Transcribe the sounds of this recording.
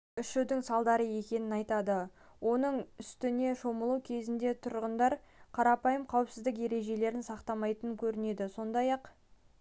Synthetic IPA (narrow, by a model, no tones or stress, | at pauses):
ʏʃɪwd̪ɪŋsɑlˠd̪ɑɾəe̞kʲe̞nɪnɑjt̪ɑd̪ə | wʔo̞nəɴʏst̪ɪne̞ʃo̞məlˠuwkʲʰe̞zɪnd̪e̞t̪ʰʊɾʁənd̪ɑɾ | qʰɑɾɑpɑjəmqʰɑwəpsɪzd̪ɪk̬je̞ɾe̞ʒe̞le̞ɾɪnsɑqt̪ɑmɑjt̪ənəŋkʲʰɵɾɪne̞d̪ɪso̞nd̪ɑjɑq